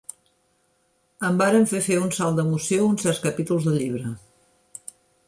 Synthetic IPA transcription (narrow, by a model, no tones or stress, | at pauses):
əmbaɾəɱfefeunsalˠd̪əmusjounsɛɾskəpit̪ulˠzðəʎiβ̞ɾə